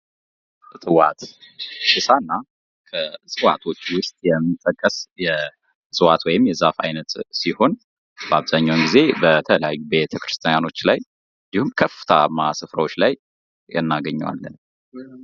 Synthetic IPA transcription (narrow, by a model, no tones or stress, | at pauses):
t̪ʼɨwat̪ʃɨsanːa | kʰəsʼɨwa̰t̪ʰo̞t͡ʃːwʊst̪ʼjɛmːɨt̪ʼːəkʼːəsjɛ | sʼɨwat̪wɔjɪmjɛzafa̰jnət̪siho̞n | baβzaɲːawnɡize̞bət̪ʰələja̰jːubet̪ʰəkʰɾɨst̪ʰjajano̞t͡ʃːlaj | ɨnd̪ihumkʰəfɨ̥t̪ʰamːasɨfɾəwot͡ʃːlaj | jɛ̰nːaɡəɲːwa̰lːən